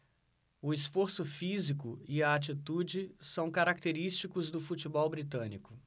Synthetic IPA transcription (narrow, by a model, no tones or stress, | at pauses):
ʊɪsfoɾsʊfizikʊiɐat͡ʃit̪ud͡ʒɪsɐ̃w̃kaɾakt̪eɾist͡ʃikʊzd̪ʊfut͡ʃibɔwbɾit̪ɐ̃nikʊ̥